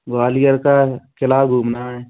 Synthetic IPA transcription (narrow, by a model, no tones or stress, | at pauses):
ɡaːlijəɾkakʰɪlaːbɡʱuːmnaɦɛː